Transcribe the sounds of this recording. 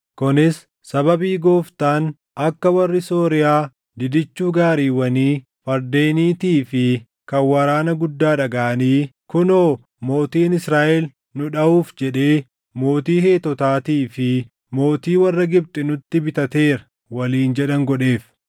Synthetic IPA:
kʊnɪs | sɐbɐbiːɡo̞ːft̪aːn | ʔɐkːɐwɐrːɪso̞ːɾɪjaː | d̪ɪd̪ɪt͡ʃːuːɡaːɾiːwɐniː | fɐɾd̪e̞ːniːt̪iːfɪ | kɐwɐɾaːnɐɡʊd̪ːaːᶑɐɡaʔɐniːkʊnoː | mo̞ːt̪iːnɪsɾaːʔɛl | nʊᶑɐuːfd͡ʒɛᶑe̞ː | mo̞ːt̪iːɦe̞ːt̪ɔt̪aːt̪iːfɪ | mo̞ːt̪iːwɐrːɐɡɪb̚t̪ʼɪnʊt̪ːɪbɪt̪ɐt̪e̞ːɾɐ | wɐliːnd͡ʒɛᶑɐŋɡɔᶑe̞ːf

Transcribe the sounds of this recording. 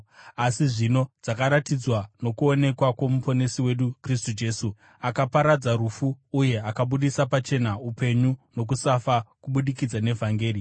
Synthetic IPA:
asiʐino̞d͡zakaɾatid͡zwano̞kuo̞ne̞kwakwomupʰo̞nesiwe̞ɗukris̬tud͡ʒe̞su | akapaɾad͡zaɾufuːje̞akaɓuɗisapat͡ʃe̞naupe̞ɲuno̞k̬usafakuɓuɗikid͡zane̞vʱaŋɡe̞ːri

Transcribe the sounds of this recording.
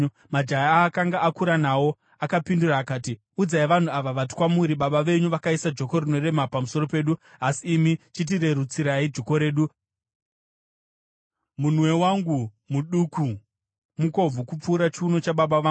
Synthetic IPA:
mad͡ʒajaakaŋɡaʔakuɾanaːwo̞ | akapinduraːkaːti | ud͡zaiʋan̤uaʋaʋati̥kwamuɾiɓaɓaʋe̞ɲuʋakaisad͡ʒo̞ko̞rino̞re̞mapamuso̞ɾo̞pe̞ːɗuasiːmit͡ʃit̬ire̞ɾut͡siɾaid͡ʒo̞ko̞ɾe̞ːɗu | mun̤we̞waŋɡu | muɗuku | muko̞b͡vukup͡fuːɾat͡ʃiuno̞t͡ʃaɓaɓaʋa

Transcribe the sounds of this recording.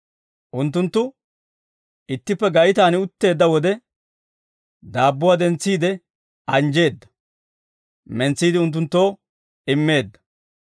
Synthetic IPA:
ʔʊnt̪ːʊnt̪ːʊ | ɪt̪ːɪpːɛɡɐjɪt̪aːnɪʊt̪ːe̞ːd̪ːɐwɔd̪ɛ | d̪aːbːʊwaːd̪ɛnt͡sːiːd̪ɛ | ɐnd͡ʒe̞ːd̪ːɐ̥ | mɛnt͡sːiːd̪ɪʊnt̪̬ːʊnt̪ːo̞ː | ɪmːe̞ːd̪ːɐ̥

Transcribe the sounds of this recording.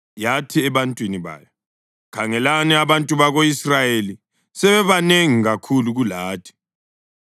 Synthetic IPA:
jatʰiɛβantʼwiniβa̰ːja | kʰaŋɛlanɛaβantʼuβaɣoisrajeli | sɛβɛβaneŋiɣakʰuluɣulaːtʰi̥

